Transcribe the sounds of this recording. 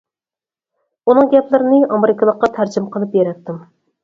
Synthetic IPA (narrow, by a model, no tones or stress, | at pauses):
unɨŋɡʲɛplɪɾɪnɪɑmeɾɪkʰəlˠəqːɑt̪ʰæɾd͡ʒɪmqʰəlˠɨpjeɾɛt̪ːɪm